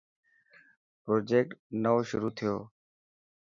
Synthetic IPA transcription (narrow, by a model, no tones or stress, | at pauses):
pɾoːd͡ʒeːk̚ʈnəoʃʊɾuːt̪ʰɪjoː